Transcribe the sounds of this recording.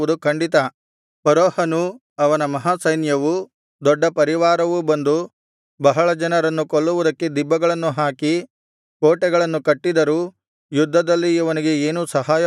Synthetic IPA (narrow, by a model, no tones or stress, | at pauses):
ud̪ukɐɳɖit̪ɐ | pɐɾɔːhɐnu | ɐʋɐnɐmɐɦaːsɐjnjɐʋu | d̪ɔɖːɐpɐɾiʋaːɾɐʋubɐnd̪u | bɐɦɐɭɐd͡ʒɐnɐɾɐnːukoɭːuʋud̪ɐkːed̪ibːɐɡɐɭɐnːuɦaːki | koːʈɛɡɐɭɐnːukɐʈːid̪ɐɾuː | jud̪ʱːɐd̪ɐlːiɐʋɐniɡe̞eːnuːsɐɦaːjɐ